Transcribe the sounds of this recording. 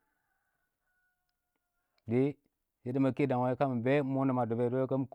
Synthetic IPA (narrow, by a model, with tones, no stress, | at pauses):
de˦ | je˦di˦ma˨ke˦da˨ŋwa˨˦ka˦m˨be˦mo˦na˨ma˨do˨be˨do˦je˦ka˦m˦k